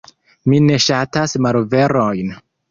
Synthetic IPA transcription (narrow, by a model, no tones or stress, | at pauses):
mine̞ʃatasmalve̞ɾojn